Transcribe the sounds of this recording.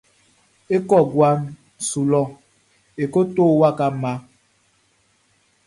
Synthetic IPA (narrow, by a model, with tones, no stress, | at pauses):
e˦kɔ˦˨ɡwa˦n | su˨lɔ˦ | e˨ko˦toː˦˨wa˦ka˦ma˦